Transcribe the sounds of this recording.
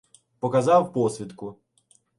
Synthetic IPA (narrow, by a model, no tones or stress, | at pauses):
pɔkɐzɑwpɔsʲʋʲid̪kʊ